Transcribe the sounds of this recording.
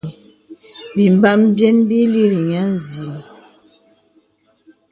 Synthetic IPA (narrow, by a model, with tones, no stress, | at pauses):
bi˨m˨ba˦mbjɛ˦nbi˦li˦ɾi˨ɲa˨˦n˨zi˨